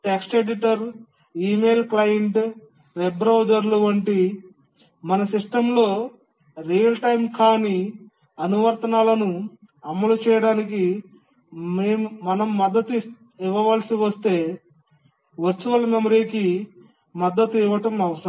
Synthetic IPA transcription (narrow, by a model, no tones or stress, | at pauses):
ʈeksʈeɖiʈɐɾ | iːme̞ːlklɐjɐɳʈ | ʋebɾɐwd͡ʒɐɾluʋɐɳʈi | mɐnɐsiʂʈɐmlo̞ː | ɾijɐlʈɐjmkaːni | ɐnuʋɐɾt̪ɐnaːlɐnu | ɐmːɐlut͡ʃɛːjɐɽaːniki | eːmumɐnɐmːɐd̪ːɐt̪ | iʋɐʋaːlɐsiʋɐst̪e̞ː | ʋɐɾt͡ʃːuʋɐlɐmemɐɾiːki | mɐd̪ːɐt̪uiʋːɐʈɐmɐʋɐsɐɾ